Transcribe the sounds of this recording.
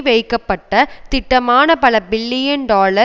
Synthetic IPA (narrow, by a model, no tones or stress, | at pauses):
ʋɐɪkːɐpːɐʈːɐt̪ɪʈːɐmaːnɐpɐlɐbɪlːɪjɐnɖaːlɐ